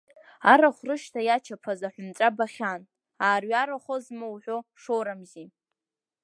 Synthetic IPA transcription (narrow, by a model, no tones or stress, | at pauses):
aɾaχʷrɨʃtʰajat͡ʃʰapʰazaħʷᶣʊmt͡sʷʼabaχʲan | aːrɥaɾaχozmɨwħʷᶣoʂoɾamzi